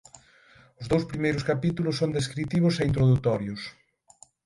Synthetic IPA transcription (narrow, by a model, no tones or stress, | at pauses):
ʊzðowspɾimejɾʊskapit̪ulʊsːond̪eskɾit̪iβʊseint̪̬ɾoðut̪ɔɾjʊs